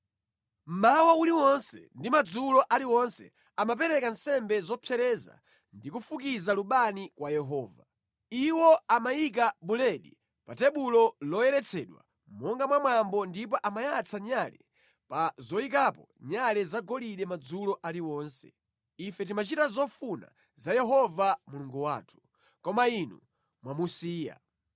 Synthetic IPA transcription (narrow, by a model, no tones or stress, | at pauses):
m̩mawauliwɔnsɛ̰ndimad͡zulɔʔaliwɔnsɛ̰ | amap̬ɛɾɛkansɛmbɛzɔpʰjɛɾɛza̰ | ndikufukizaluɓanikwajɛɦɔːva | iwɔamajik̬aɓulɛɗi | patɛɓulɔlɔjɛɾɛt͡sʰɛɗwa̰ | mɔŋɡamwamwambɔndip̬ɔʔamajat͡sʰaɲalɛ̰ | pazɔik̬apɔ | ɲalɛzaɡɔliɗɛmad͡zulɔʔaliwɔːnsɛ̰ | ifɛt̬imat͡ʃitazɔfuna̰ | zajɛɦɔvamuluŋɡuwa̰ːtʰu̥ | kɔmainṵ | mwamusiːja̰